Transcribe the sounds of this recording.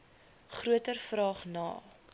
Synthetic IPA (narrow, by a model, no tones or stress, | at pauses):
χruətərfrɑːχnɑ̰ː